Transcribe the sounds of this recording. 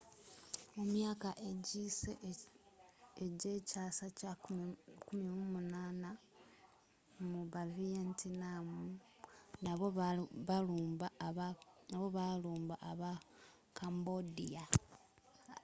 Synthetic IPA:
omjaːkaʔeɟise | eɟecaːsaca | kumimumunaːna | muβavientʰinamu | naβoaubaanaβo̞βaluːmbaʔːβa | kʰambodija

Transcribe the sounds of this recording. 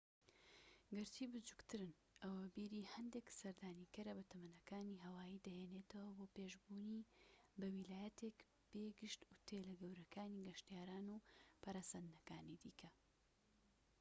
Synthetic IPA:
ɡɨɾt̪ʰibɨd͡ʒuɡt̪ʰɨɾɨn | ʔɐwabiːɾiːhɐnd̪eksɐɾd̪aːnikɐɾɐbɐt̪ʰɐmɐnɐkaːniːɦɐwaːjiːd̪ɐheːnet̪ʰɐwɐboːpeːʒbuːnibɐwilaːjɐt̪ʰek | b̥eːɡɨʃt̪ʊt̪ʰelɐɡɐwɾɐkʰaːniɡɐʃt̪ijaːɾaːnupʰɐɾasɐnd̪ɨnɐkaːnid̪ḭːkʰɐ

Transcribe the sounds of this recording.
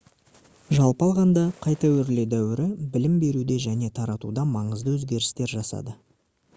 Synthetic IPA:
ʒɑlˠpɑlˠʁɑnd̪ɑqʰɑjt̪ɑwɵɾled̪æwɪɾɪbɪlɪmbe̞ɾud̪e̞ʒæne̞t̪ʰɑɾɑt̪ud̪ɑmɑɴəzd̪əwɵzɡʲe̞ɾɪst̪e̞ɾʒɑsɑ̰d̪ə

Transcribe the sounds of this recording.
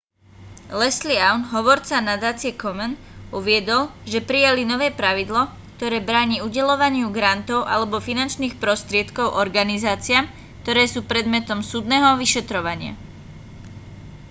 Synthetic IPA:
lɛsliaʊnɦɔʋɔɾt͡sanad̪aːt͡sɪɛkɔmɛn | uʋɪɛd̪ɔlʒɛpɾijalinɔʋɛːpɾaʋid̪lɔ | k̚t̪ɔɾɛːbɾaːɲiːuɟɛlɔʋaɲɪuɡɾant̪ɔʊʔa̰lɛbɔfinant͡ʃniːxpɾɔst̪ɾɪɛt̪kɔʊʔɔɾɡanizaːt͡sɪaːm | kt̪ɔɾɛːsuːpɾɛd̪mɛt̪ɔmsuːd̪nɛːɦɔʋiʃɛt̪ɾɔʋaɲɪa̰

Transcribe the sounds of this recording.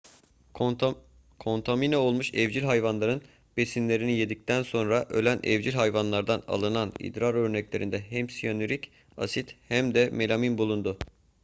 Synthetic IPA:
kʰo̞nt̪ʰaminao̞lˠmuʃɛvd͡ʒilʲɦajvanlˠaɾɯn | b̥e̞sinlʲe̞ɾinijed̪ic̚t̪ænso̞nɾaʔølʲænʔɛ̰vd͡ʒilʲɦajvanlˠaɾd̪ana̰lˠɯnanḭd̪ɾaɾø̞ɾnɛclʲe̞ɾind̪ɛɦɛmsijonyɾic | a̰sit̪hæmd̪ɛme̞lʲaminbulˠund̪ʊ

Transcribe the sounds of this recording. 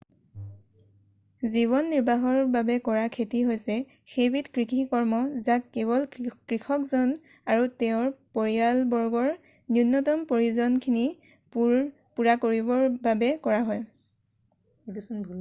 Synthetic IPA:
ziβɔnːiɹbʱaɦɔɹbabɛkɔɹakʰetiɦojsɛ | xebitkɹikʰikɔɹmɔzakːeβɔlkɹikʰɔkzɔn | aɹutɛʊ̃ɹpoɹialbɔɹɡɔɹ | njunːɔtɔmpoɹiuzɔnkʰini | p | puɹakoɹibɔɹbabɛkɔɹaɦɔj

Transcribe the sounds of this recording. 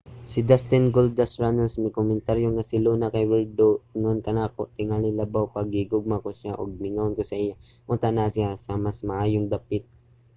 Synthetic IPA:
sɪd̪ast̪ɛnɡold̪asɹanonsmɪkomɛnt̪aɾjoŋasɪluːnakɐjwɛld̪oɪŋonkɐnakoʔt̪ɪŋalɪlabawpɐɡhɪɡoɡ̚makosjaʔoɡ̚mɪŋankosɐʔɪjamʊnt̪anasjasɐmasmɐʔaːjoŋd̪apɪt̪̚

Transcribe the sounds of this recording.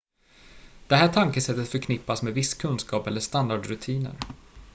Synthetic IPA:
d̪̥ɛɦæːʈʰaŋkəsɛt̪ːət̪fœɾkʰnɪpːasmeːd̪vɪsːkʰɵnskɑːpɛlːəʂt̪and̪aɖɾɵt̪ʰiːnə̰ɾ

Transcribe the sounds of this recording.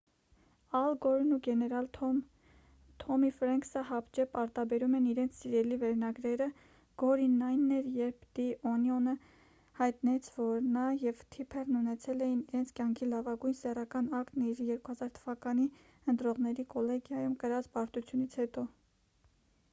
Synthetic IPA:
ɑlɡɔɾnuɡɛnɛɾɑlʰ | t̪ʰɔmifɾɛŋksəɦɑpd͡ʒɛpɑɾt̪ɑbɛɾumɛniɾɛnt͡sʰsiɾɛlivɛɾnɑɡɾɛɾə | ɡ̥ɔɾinːɑjnːɛɾjɛɾp̚ʰd̪̥iʔɔnjɔnə | hɑjt̪nɛt͡sʰvɔɾnɑjɛvt̪ʰipʰɛrnunɛt͡sʰɛlɛjiniɾɛnt͡sʰkʲjɑŋkʰilɑvɑɡujnsɛrɑkɑnɑkniɾjɛɾkuhɑzɑɾt̪ʰəvɑkɑni | ənt̪ɾɔʁnɛɾikɔlɛɡjɑjumkəɾɑt͡sbɑɾt̪ut͡sʰjunit͡sʰhɛt̪ɔ

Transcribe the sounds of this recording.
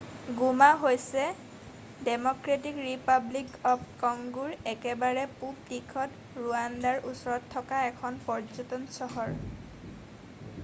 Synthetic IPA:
ɡumaɦojsɛ | dɛmɔkɹet̬ikɹipablikɔpkɔŋɡuɹɛkɛbaɹɛpup̚tikʰɔt | ɹuandaɹʔusɔɹɔtʰːɔkaɛkʰɔnpɔɹd͡ʒotɔnsɔɦɔɹ

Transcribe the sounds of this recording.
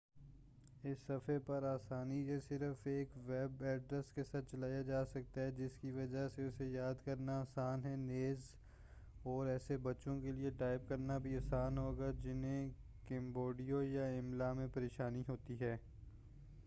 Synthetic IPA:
ɪsːɐfepɐɾaːsaːnisesɪɾəfeːkʋɛbɛːɖɾɛskesɐt̪̚t͡ʃɐlaːjad͡ʒaːsɐk̚t̪aɦɛd͡ʒɪskiʋɐd͡ʒaseʊsejaːd̪kɐɾnaaːsaːnɦɛneːz | ɔːɾɛːsebɐtːʃõkelieʈaːɪb̚kɐɾnabʱiaːsaːnɦoːɡad͡ʒɪnɦẽ | kɛ̃ːmboːɖijojaɪmlamẽpɐɾeːʃaːniɦoːt̪iɦɛː

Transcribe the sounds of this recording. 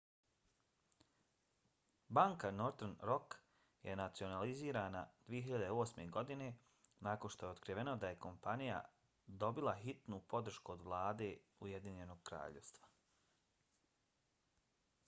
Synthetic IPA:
baːŋkanoɾt̪nɾo̞k | jenat̪sio̞naliziːɾaːna̰d̪̥ʋijeɦiʎad̪eo̞ːsme̞ɡo̞d̪ine̞ | naːko̞nʃt̪o̞jeo̞t̪kɾiʋe̞nod̪aje̞ko̞mpanija̰ | d̪o̞bilˠaxit̪nuːpo̞d̪ɾ̩ʃkuod̪ʋlˠaːd̪e̞ː | uje̞d̪iɲe̞no̞ɡ̚kɾa̰ːʎḛst̪ʋḁ

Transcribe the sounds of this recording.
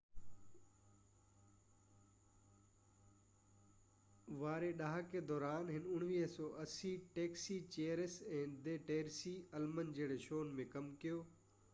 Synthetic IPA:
ʋaːɾeɗaɦaked̪ɔːɾaːnɦɪnʊɽ̃ʋiːɦsɔːʔɐsiʈeːksit͡ɕeːɾɪsɛ̃ːd̪eːʈeːɾsiɐlmənd͡ʑeːɽ̃eʃoːnmẽkɐmkijoː

